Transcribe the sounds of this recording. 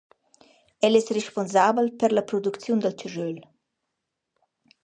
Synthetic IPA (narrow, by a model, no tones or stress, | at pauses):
ɛlɛsreʃponzabəlpəɾləpɾɔd̪ukt͡sjund̪əlt͡ʃəʒøl